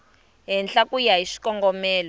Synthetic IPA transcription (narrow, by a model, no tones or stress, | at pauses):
ɦɛnɬakujaɦiʂi̥kɔŋɡɔmɛːlɔ